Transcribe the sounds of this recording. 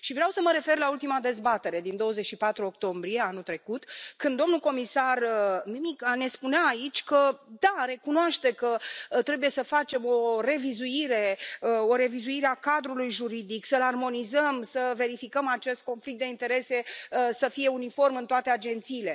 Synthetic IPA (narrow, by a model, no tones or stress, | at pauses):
ʃivɾeawsəməɾe̞fe̞rlault̪imad̪e̞zbat̪e̞ɾe̞d̪ind̪o̞wəzet͡ʃʃipat̪ɾuo̞k̚t̪o̞mbɾie̞anut̪ɾe̞kut̪kɨnd̪ːo̞mnuko̞misarmimikane̞spunaːit͡ʃʲkəd̪aɾe̞kunoaʃt̪e̞kət̪ɾe̞buje̞səfat͡ʃe̞mo̞re̞vizuiɾe̞əo̞ɾe̞vizuiɾeakad̪ɾulujʒuɾid̪iksəlarmo̞nizəmsəve̞ɾifikəmat͡ʃest̪̚ko̞nflik̚t̪eint̪e̞ɾe̞se̞əsəfije̞unifo̞rmɨnt̪oat̪ead͡ʒe̞nt̪siːle̞